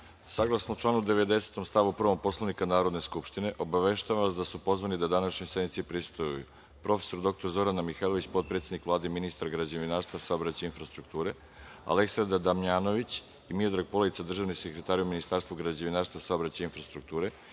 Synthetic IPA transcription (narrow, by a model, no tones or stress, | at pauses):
saɡlˠasnout͡ʃlˠaːnud̪eʋe̞d̪e̞se̥t̪o̞mst̪aʋupr̩ʋo̞mpo̞slˠaʋnikanaːɾod̪ne̞skupʃt̪ine̞ʔo̞baʋeʃt̪aʋaʋasd̪asupo̞zʋanid̪ad̪anaʃɲisemit̪sipɾist̪ojṵ | pɾo̞fe̥so̞ɾd̪o̞k̚t̪o̞ɾzo̞ɾanamixalˠo̞ʋit͡ɕpo̞t̪̚pɾe̞t̪ed̪ikʋlaːd̪eminist̪aɾɡɾad͡ʑeʋinaːst̪vasaobɾat͡ɕainfɾast̪ɾukt̪uːɾe | a̰le̞ksand̪ad̪amɲaːno̞ʋit͡ɕ | imiod̪ɾaɡ̚po̞lˠait̪sad̪r̩ʒaːʋnisekɾet̪aːɾiuminist̪aːɾst̪vuɡɾad͡ʑeʋinaːɾst̪vasaobɾat͡ɕainfɾast̪ɾuk̚t̪uːɾe